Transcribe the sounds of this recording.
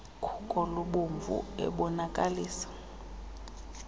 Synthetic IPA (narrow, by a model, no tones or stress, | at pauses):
kʰu̥kʼɔloɓoɱvṵɛ̰ɓɔnakʼaliːsḁ